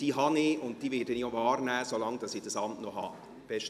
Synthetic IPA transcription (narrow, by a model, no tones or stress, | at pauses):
d̥iːɦɑniʊnt̚d̥iːvɪdəniovɑːrnɛːsolɑŋd̥ɑsid̥ɑsɑmtnoɦɑ̰ | b̥ɛʃt